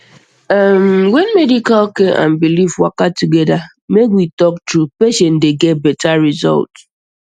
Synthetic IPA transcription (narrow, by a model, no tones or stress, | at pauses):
amwɛnmɛdikalokeʔã̰nbilifwa̰katuɡɛda | mekwitɔk̚tɾupeʃɛ̃ndeɡɛt̚bɛtaɹizɔ̰lt